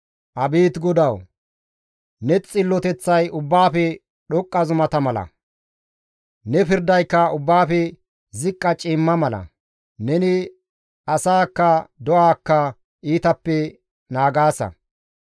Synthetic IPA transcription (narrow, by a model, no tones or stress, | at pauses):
ʔɐbiːt̪ɡɔd̪ɐw | nɛt͡sʼɪlːɔt̪ɛt͡sːɐjʊbːaːfɛ | ɗɔkʼːɐzʊmɐt̪ɐmɐlɐ̰ | nɛpɪɾd̪ɐjkːɐʊbːaːfɛ | zɪkʼːɐt͡ʃʼɪmːɐmɐlɐ̰ | nɛnɪ | ɐsaːkːɐd̪ɔʔaːkːɐ | iːt̪ɐpːɛ | naːɡaːsɐ̰